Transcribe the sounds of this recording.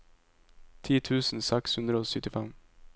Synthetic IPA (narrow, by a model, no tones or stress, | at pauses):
t̪ʰiːt̪ʰʉːsn̩sɛkshʉnd̪ɾəoːsʏt̪ːɪfɛm